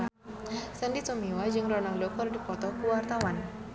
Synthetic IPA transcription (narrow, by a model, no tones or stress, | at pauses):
səndit͡ʃɔmiwad͡ʒɨŋrɔnallokərdipɔt̪ɔkuwart̪awan